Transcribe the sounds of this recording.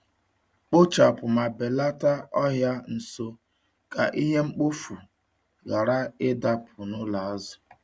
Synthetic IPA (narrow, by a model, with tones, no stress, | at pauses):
k͡po˦t͡ʃa˨pʊ˨ma˨be˨la˦ta˦ɔ˦ɦja˦n̩˨so˦ | ka̰˨ʔi˦ɦe˦ŋ͡m̩˦k͡po˦fu˨ | ɣa˨ɾa˦ɪ˦da˦pʰʊ˨nʊ˦la˨a˦zʊ˨